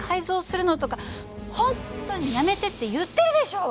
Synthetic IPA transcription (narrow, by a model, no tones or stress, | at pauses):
kʰaizo̞ːsɨɾɯ̟not̪o̞ka | hõ̞nt̪ːo̞ɲ̟ijame̞t̪e̞t̪ːe̞jɯt̪ːe̞ɾɯ̟d̪e̞ɕo̞ː